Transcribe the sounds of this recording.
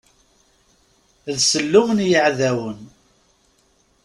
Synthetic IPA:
ðsəlːʊmənjəʕðæwən

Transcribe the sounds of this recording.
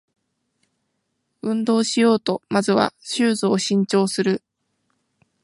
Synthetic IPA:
ɯ̟̃nd̪o̞ːɕijo̞ːt̪o̞mazɨβa̰ɕɨːzɨːɕĩɲ̟t͡ɕo̞ːsɨɾɯ̟

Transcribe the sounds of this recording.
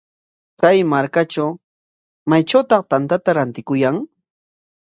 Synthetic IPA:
kajmaɾkaʈ͡ʂaw | majʈ͡ʂawt̪ɑqt̪ant̪at̪aɾant̪ɪkʊjaŋ

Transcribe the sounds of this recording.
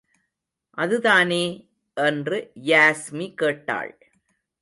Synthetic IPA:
ʔɐðɯðaːneː | ʔɛndrɯjaːsmikeːʈːa̰ːɭ

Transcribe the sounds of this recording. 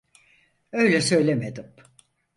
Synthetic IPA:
ø̞jlʲɛsø̞jlʲemed̪im

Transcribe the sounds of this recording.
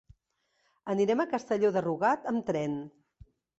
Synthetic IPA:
əniɾɛməkəst̪əʎoðəruɣat̪əmt̪ɾɛn

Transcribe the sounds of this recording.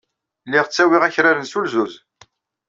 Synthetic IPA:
lːɪʁət͡sːæwiʁæçɾaɾənsulzuz

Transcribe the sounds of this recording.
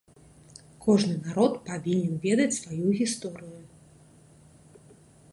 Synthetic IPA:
kʰɔʐnɨnaɾɔt̪pavʲinʲɛnvʲɛd̪ɐt͡sʲsvajuɣʲist̪ɔɾɨju

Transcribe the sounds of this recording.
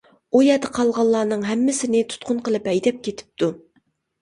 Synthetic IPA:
ujɛd̪əqʰɑlˠʁɑlˠːɑːnɨŋɦɛmːɪsɪnɪt̪ʰu̥t̪̚qʰʊnqəlˠɨpɛjd̪ɛp̚kʲet̪ʰɪ̥p̚t̪u

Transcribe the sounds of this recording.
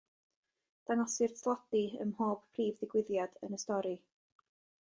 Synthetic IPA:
d̥aŋɔsɪrtʰlˠɔdiə̰mhoːb̥pʰriːvðɪɡwɪðjad̥ə̰nəstɔɾi

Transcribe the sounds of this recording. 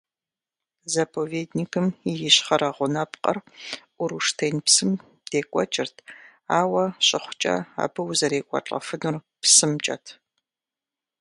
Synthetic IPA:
zɐpʰoveːdnikʰɨmijɪɕχɐɾɐʁʷʊnɐpqʼɐ̰rʔʊɾuʂtʰejnpsɨm | d̥eːkʷʼɔ̰t͡ʃʼɪrtʰ | aːwɐɕʼɪχʷt͡ʃʼɐ̰a̰ːbɨwzɐɾeːkʷʼɔ̰t͡ɬʼɐ̰fɨnur | psɨmt͡ʃʼɐ̰tʰ

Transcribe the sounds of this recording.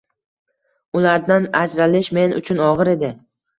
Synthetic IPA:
ʊlaɾd̪anad͡ʒɾalɪʃme̞nʊ̰t͡ʃʰʊnɒʁɨɾe̞d̪ɪ

